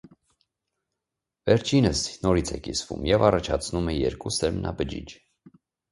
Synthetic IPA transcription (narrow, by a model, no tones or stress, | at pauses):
vɛɾt͡ʃʰinəsnɔɾit͡sʰɛkḭsvṵmjɛvɑrɑt͡ʃʰɑt͡sʰnumɛjɛɾkusɛɾmnʔɑ̰bəd͡ʒḭd͡ʒ